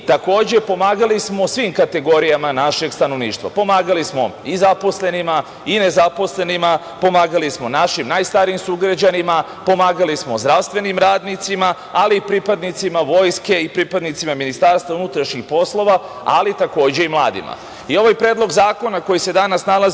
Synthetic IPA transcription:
t̪ako̞ːd͡ʑe̞po̞maːɡalismo̞sʋiːmkat̪e̞ɡo̞ɾijamanaʃe̞ɡst̪ano̞ʋniːʃt̪ʋa̰po̞maːɡalismo̞̰izapo̞sle̞nima | ine̞zapo̞sle̞nima | po̞maːɡalismo̞naʃimnaːjst̪aɾiimsuɡɾad͡ʑanima | po̞maːɡalismo̞zd̪ɾaʋst̪vʋe̞nimɾaːd̪nit̪sima | aliːpɾipad̪nit̪simaʋo̞ːjske̞ipɾiːpad̪nit̪simaminist̪aːɾst̪ʋaunut̪ɾaʃɲixpo̞slˠo̞ʋa | a̰lit̪ako̞ːd͡ʑe̞imlˠa̰ːd̪ḭma̰ | io̞ʋajpɾeːd̪lo̞ɡzaːko̞nakojise̞d̪anasnalaz

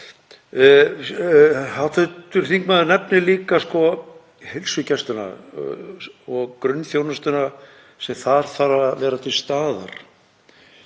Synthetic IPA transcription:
hat̪ʰɛt̪ʏɾ̥θiŋkmaðnɛpnɪliːkaskɔ | helsʏcɛst̪ʏna̰ | ɔɣkɾʏnːfjownast̪ʏna | sɛmθaɾ̥θaɾavɛːɾat̪ʰɪlst̪aːða̰ɾ̥

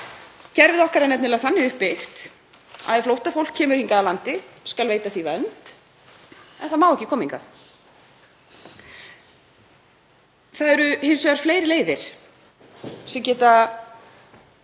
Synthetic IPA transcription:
cɛɾvɪðɔhkaɾɛnːɛp̪nɪlaθanːɪʏhpːɪxt̪ | a̰ðɛflowht̪afowlkʰːɛːmʏɾ̥hiŋkaðalant̪ɪskalveːjt̪aθivɛlnt̪ | ɛ̰nθamaːwɛhcɪkʰɔːmiŋkaθ | θaðɛɾʏhɪnsɛɾ̥fleːjɾɪleːjðɪɾ̥ | sɛmcɛːht̪a

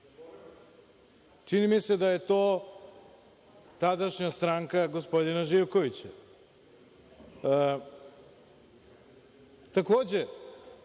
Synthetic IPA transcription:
t͡ʃinimise̞d̪aje̞t̪o̞ː | t̪ad̪aʃɲast̪ɾaŋkaɡospo̞d̪inaʒiʋko̞ʋit͡ɕa | t̪ako̞ːd͡ʑe

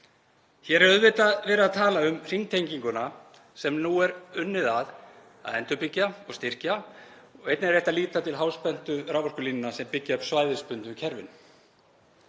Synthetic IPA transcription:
çɛɾɛɾœðvɪt̪aðvɛːɾɪaðt̪ʰaːlaʏmr̥iŋt̪ʰejŋciŋkʏna | sɛmnuɛɾʏnːɪðað | a̰ðɛnt̪ʏpɪcːaɔɣst̪ɪr̥ca | ɔɣejt̪nɪɾejht̪aliːt̪at̪ʰɪlɦaːwspɛn̥t̪ʏɾaːwvɔr̥kʏlinɪnasɛmpɪcːaœpsvaːjðɪɾspʏnt̪ʏcʰɛɾvɪ̰n

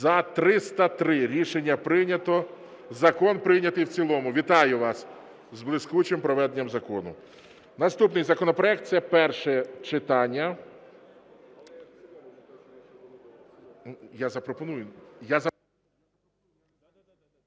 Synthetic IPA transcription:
zɐt̪ɾɪst̪ɐt̪ɾɪɾʲiʃenʲːɐpɾɪnʲɐt̪ɔ | zɐkɔnpɾɪnʲɐt̪ɪjwt͡sʲilˠɔmʊʋʲit̪ɑjʊʋɑs | zblˠɪskut͡ʃɪmpɾɔʋɛd̪enʲːɐmzɐkɔnʊ̰ | nɐst̪upnɪjzɐkɔnɔpɾɔɛk̚t̪sɛpɛrʃɛt͡ʃɪt̪ɑnʲːɐ | jazɐpɾɔpɔnujʊjazɐ

